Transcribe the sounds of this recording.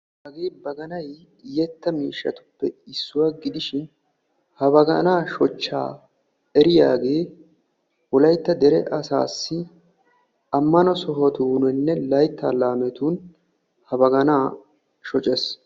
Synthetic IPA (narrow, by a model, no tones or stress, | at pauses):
ɐɡeːbɐɡɐnɐj | jɛt̪ːɐmiːʃːɐ̰t̪ʊ̥pːɛɪsːʊwaɡɪd̪ɪʃɪn | hɐbɐɡɐnaːʃɔt͡ʃːa̰ː | ɛɾɪja̰ːɡe̞ː | wɔlɐjt̪ːɐd̪ɛɾɛʔɐsa̰ːsːɪ | ɐmːɐnɔsɔɦɔt̪uːnɛnːɛlɐjt̪ːaːlaːmɛt̪uːn | hɐbɐɡɐnaː | ʃɔt͡ʃʼɛs